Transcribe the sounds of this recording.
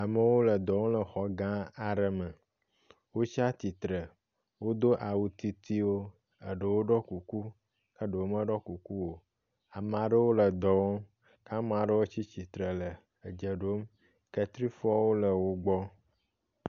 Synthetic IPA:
a˨mə˨wo˦lə˨d̪ɔ˨wõ˦lə˨xɔ˦ɡã˦a˨ɖə˨mə˨ | wo˦t͡ʃi˦a˦t̪i˨t̪ɾə˨ | wo˦d̪o˦ʔa˨wu˨t̪i˨t̪i˦wo˦ | ə˨ɖə˨wo˦ɖɔ˦ku˨ku˦ | kə˦ɖə˨wo˦mə˦ɖɔ˦ku˨ku˦wo˦˨ | a˨m˨a˨ɖə˦wo˦lə˨d̪ɔ˨wo˦ | ka˦m˦˨a˨ɖə˦wo˦t͡ɕi˦t͡ɕi˨t̪ɾə˨lə˨ | ə˨d͡ʒə˨ɖo˦m | ke˦t̪ɾi˦fɔ˦wo˦lə˨wo˦ɡ͡bɔ˦

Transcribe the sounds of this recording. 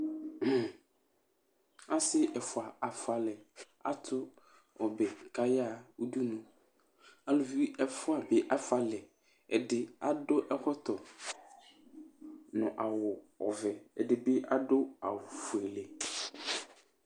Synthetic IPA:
a˦sɪ˦ʔɛ˨fʊ˨a˨a˨fʊ˨a˨lɛ˨ | a̰˦˨tʰʊ˦ | ɔ˨bɛ˨ka˦ja˦˨u˦du˦nʊ̃˨ | a˨lʊ˨fi˦ɛ˦fʊ˦a˨bɛ˨ʔa˨fʊ˨a˨lɛ˨ | ɛ˨dɪ˦a˨dʊ˦ʔɛ˦hɔ˦t̪ʰɔ˨ | nʊ̃˨ʔa˨wʊ˨ | ɔ̰˨vɛ˨ɛ˨dɪ˨bɪ˦ʔa˦dʊ˦a̰˨wʊ˨fʊ˨ɛ˨lɛ˨

